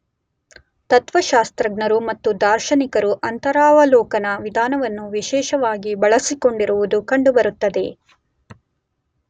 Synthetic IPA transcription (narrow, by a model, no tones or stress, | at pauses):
t̪ɐt̪ʋɐʃaːst̪ɾɐɡnɐɾumɐt̪ːud̪aːɾʃɐnikɐɾuʔɐnt̪ɐɾaːʋɐlɔːkɐnɐʋid̪ʱaːnɐʋɐnːuʋiʃɛːʃɐʋaːɡibɐɭɐsiko̞ɳɖiɾuʋud̪ukɐɳɖubɐɾut̪ːɐd̪e̞